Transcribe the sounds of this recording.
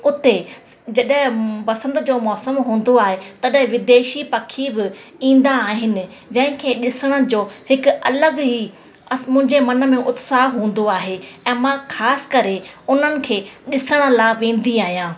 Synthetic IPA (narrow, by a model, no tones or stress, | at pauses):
ʊt̪e | d͡ʑɐɗɦɪ̃pɐsə̃nd̪d͡ʑoːmɔːsəmɦũːn̆d̪oaːɦet̪ɐɗɦɪ̃ʋɪd̪eːʃipɐkʰibɪĩːn̆d̪aːɦɪnɪ̆ | d͡ʑɐ̃ɦɪ̃kʰeːɗɪsəɽ̃əd͡ʑoːhɪkɐləɡɦi | mʊ̃ɦɪ̃ɲd͡ʑemɐnə̆mẽʔʊt̪saːɦɦũːn̆d̪oaːɦeːɛ̃ːmãːkʰaːsɪ̥kɐɾeʊn̤ənɪ̆kʰeːɗɪsəɽ̃ə̆laːʋẽːn̆d̪iaːɦijãː